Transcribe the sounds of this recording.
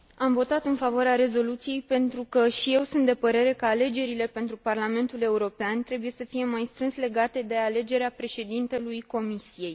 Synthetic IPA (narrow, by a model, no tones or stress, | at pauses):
amvo̞t̪at̪ɨnfavoaɾeaɾe̞zo̞lut̪sije̞jpe̞nt̪ɾukəʃije̞wsunt̪d̪e̞pəɾe̞ɾe̞kəale̞d͡ʒe̞ɾile̞pe̞nt̪ɾuparlame̞nt̪ule̞uɾo̞peant̪ɾe̞buje̞səfije̞majst̪ɾɨnsle̞ɡat̪e̞d̪e̞ale̞d͡ʒe̞ɾeapɾe̞ʃe̞d̪int̪e̞lujko̞misije̞j